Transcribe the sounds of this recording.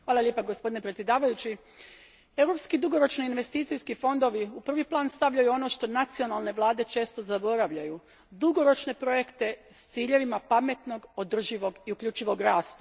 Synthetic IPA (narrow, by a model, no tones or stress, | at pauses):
xʋaːlˠaljepaɡospo̞d̪ine̞pɾet̪sʲje̞d̪aːʋajut͡ɕi | e̞wɾo̞pskid̪uɡo̞ɾo̞t͡ʃniːnʋe̞st̪iːt̪sijskifo̞nd̪o̞ʋiupr̩ʋiplˠaːnst̪aʋʎajuo̞no̞ʃt̪o̞nat̪sio̞nalˠne̞ʋlˠaːd̪e̞t͡ʃe̞ːst̪o̞zabo̞ɾaʋʎaju | d̪uɡo̞ɾo̞t͡ʃne̞pɾo̞je̞kt̪e̞ | st̪siːʎe̞ʋimapame̞t̪no̞ɡo̞d̪r̩ʒiʋo̞ɡiukʎʲuːt͡ʃiʋo̞ɡɾaːst̪a